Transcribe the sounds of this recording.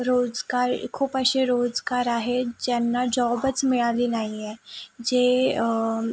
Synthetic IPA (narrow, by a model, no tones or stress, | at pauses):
ɾoːd͡zɡaɾkʰuːpəɕeɾod͡zɡaɾaɦed͡ʑɛnːad͡ʑɔbət͡smɪɭaliːnaɦiɛd͡ʑe